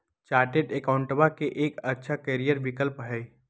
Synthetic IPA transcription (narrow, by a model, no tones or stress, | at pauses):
t͡ʃaːɾʈeːɖekaʊ̃ɳʈbakeʔeːkɐtːʃʰakeːɾijəɾʋɪkəlpɦɛː